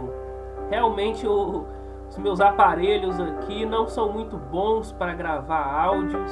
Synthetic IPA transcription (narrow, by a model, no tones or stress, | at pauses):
ʊ | heawmẽnt͡ʃɪʊ | ʊzmewzapaɾeʎʊzakʰinɐ̃w̃sɐ̃w̃mũj̃t̪ʊbõw̃spɾɐɡɾavaɾawd͡ʒiʊ